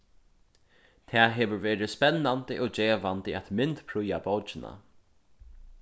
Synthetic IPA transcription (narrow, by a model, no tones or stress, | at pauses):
t̪ʰɛːɦeːʋʏɾveːɾɪspɛnːant̪əʔoːd͡ʒeːʋant̪ɪat̪mɪnt̪pʰɾʊjabɔwt͡ʃɪna̰